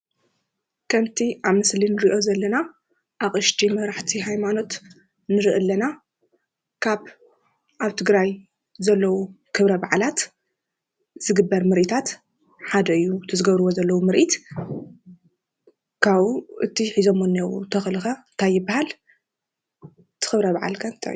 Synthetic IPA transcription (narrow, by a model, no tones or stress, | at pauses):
kʰɐmt̪ʰiʔaβmɨslinɨɾiʔo̞zɐlːɐna | ʔaχʼɨʃt̪ʰimɐɾaħt̪ʰiɦajmano̞t̪ | nɨɾɨʔɨlːɐna | kʰaβ | ʔaβt̪ʰɨɡɾaj | zɐlːɐwukʰɨβɾɐbaʕlat̪ | zɨɡɨbːɐɾmɨɾʔit̪ʰat̪ | ħad̪ɐɨjːut̪ʰɨzɨɡɐβɾɨwo̞zɐlːɐwumɨɾʔit̪ | kʰaβuʔɨt̪ʰiħizo̞mɨnːew̰t̪ʰɐxlɨxɐnt̪ʰajːɨbːahal | t̪ʰɨ̥xɨβɾɐβaʕa̰lkʰaɨnt̪ʰa̰j